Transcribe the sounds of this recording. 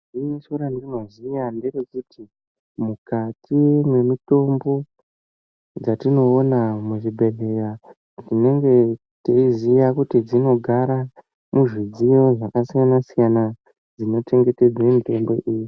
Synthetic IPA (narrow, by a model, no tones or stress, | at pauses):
iisoɾandinozijanderokutʰi | mukatimwe̞mito̞mbo̞ | d͡zatino̞ːnamuʐibʱe̞le̞ra | nine̞ŋɡe̞ | teizijakutid͡zino̞ɡʱaɾa | muʐid͡zijo̞ʐakasijanasijana | d͡zino̞t͡ʃe̞ŋɡe̞te̞d͡zaemite̞mbo̞ʔiːji